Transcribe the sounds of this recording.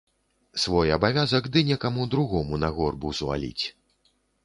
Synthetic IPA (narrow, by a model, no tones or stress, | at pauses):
svɔjɐbavʲazɐɡd̪ɨnʲɛkamud̪ɾuɣɔmunɐɣɔrbuzva̰lʲḭt͡sʲ